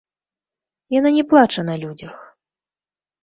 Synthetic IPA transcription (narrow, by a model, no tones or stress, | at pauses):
jananʲɛplˠat͡ʂɐnɐlʲud͡zʲɐx